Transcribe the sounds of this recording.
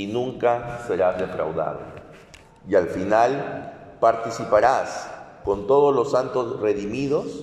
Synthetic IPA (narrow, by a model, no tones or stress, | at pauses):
inũŋkase̞ɾaðe̞fɾa̰wða̰βlḛ | ialfinalpaɾt̪isipaɾasko̞nt̪o̞ð̞ozlo̞sant̪osre̞ðimiðo̞s